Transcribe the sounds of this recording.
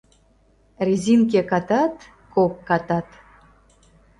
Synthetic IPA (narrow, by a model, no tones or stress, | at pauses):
rʲizʲink̬ʲekɑt̪ɑt̪ | kokːɑt̪ɑt̪